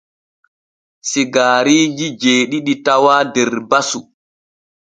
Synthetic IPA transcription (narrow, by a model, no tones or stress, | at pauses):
siɡaːɾiːd͡ʒid͡ʒeːɗiɗitawaːdɛɾbasu